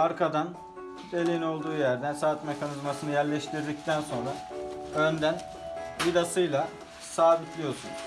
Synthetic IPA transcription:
aɾkʰad̪an | b̪e̞lʲino̞lˠd̪uːjæɾd̪ænsaːt̪me̞kʰanizmasɯnɯjæɾlʲɛʃt̪ʰiɾd̪ic̚t̪ʰænso̞nɾaø̞nd̪æn | id̪asɯjlˠa | saːbit̪ʰlʲijo̞sṵn

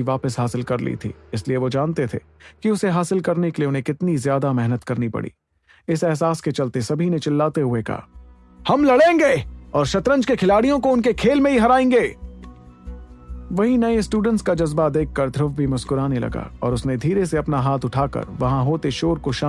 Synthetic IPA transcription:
iʋaːpəsɦaːsɪlkɐɾlḭt̪ʰḭːɪslieʋod͡ʒaːnt̪et̪ʰḛ | kiʊseɦaːsɪlkɐɾnekeliʊnɦẽkɪt̪nizjaːd̪amɛɦnət̪kɐɾnipɐ̰ɽḭː | ɪsɛɦsaːsket͡ʃɐlt̪esɐbʱinẽt͡ʃɪlːaːt̪eɦʊekɐ̰ɦa̰ | hɐmlɐɽẽːŋɡeːɔːɾʃɐt̪ɾə̃nd͡ʒkekʰɪlaːɽijõkoʊnkekʰeːlmẽɦiɦɐɾaːẽːŋɡeː | ʋɐɦĩnɐesʈuːɖə̃ɳʈskad͡ʒɐzbad̪eːkʰːɐɾd̪ʱɾʊfbʱimʊskʊɾaːnelɐ̰ɡa̰ɔ̰ːɾʊsned̪ʱiːɾeseɐpnaɦaːt̪ʰʊʈʰaːkɐ̰ɾʋɐɦãɦoːt̪eʃoːɾkoʃaː

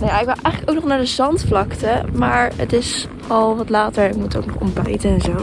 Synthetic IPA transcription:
nojaɪkʋɪwʔɛjχələkowknɔχnaːɹdəzɑntflɑktəmaːɹə̰tɪs | ɑlˠʋɑtlaːtəɹɪk̚mutto̰wk̚nɔχɔ̰mbɛjtəɛnzow

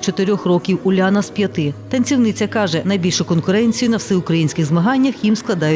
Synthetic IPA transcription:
t͡ʃɔt̪eɾʲɔxrɔkʲiwʊlʲanɐspʲjɐt̪ɪt̪ɐnʲt͡sʲiwnɪt͡sʲɐkɑʒɛnɐjbʲilʲʃʊkɔnkʊɾɛnʲt͡sʲijʊnɐwsɛʊkɾɐjinʲsʲkʲɪɣzmɐɦɑnʲːɐxjimsklˠɐd̪ɑjʊ

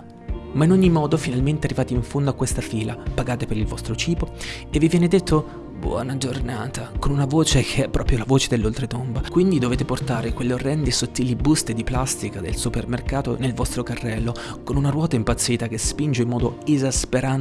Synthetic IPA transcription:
mainoɲːimɔːd̪ofinalment̪earːivaːt̪eiɱfond̪oakːwest̪afiːlapaɡaːt̪epeɾilvɔst̪ɾot͡ʃiːpo | evːivjɛːned̪et̪ʰːo | bwɔ̰ːnad͡ʒornaːt̪akonunavoːt͡ʃekʰeɛpːɾʔɔːpɾjolavoːt͡ʃed̪elːolt̪ɾet̪ombakwind̪id̪oveːt̪eport̪aːɾekwelːeorːɛnd̪esot̪ːiːlibust̪ed̪iplast̪ikad̪ḛlsupermerkaːt̪o̰nelvɔst̪ɾokarːɛlːo | konunaɾwɔːt̪aimpat̪sːiːt̪ak̟espind͡ʒeimːɔːd̪oezaspeɾan

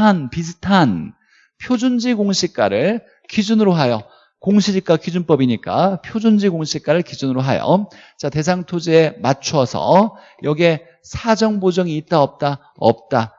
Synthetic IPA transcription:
anpisʰɯ̥tʰan | pʰjod͡ʑund͡ʑiɡoŋɕʰik͈aɾɯɭ | kid͡ʑunɯɾoɦajo | koŋɕʰid͡ʑik͈akid͡ʑunp͈ʌbiɲik͈a̰pʰjod͡ʑund͡ʑiɡoŋɕʰik͈aɾɯɭkid͡ʑunɯɾoɦajo̰ | t͡ɕate̞s̬ʰaŋtʰod͡ʑiemat͡ɕʰuʌsʰʌ̰ | jʌɡe̞ | sʰad͡ʑʌŋbod͡ʑʌŋiːt̚t͈aʌp̚t͈a | ʌ̰p̚t͈a

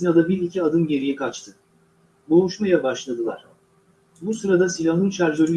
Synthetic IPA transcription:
inad̪abiɾicʰiad̪ɯnɟe̞ɾijikʰat͡ʃt̪ʰɯ | bulˠuʃmajabaʃlˠad̪ɯlˠa̰ɾ̥ | busuɾad̪asilʲaɦɯnt͡ʃæɾd͡ʒø̞ɾy

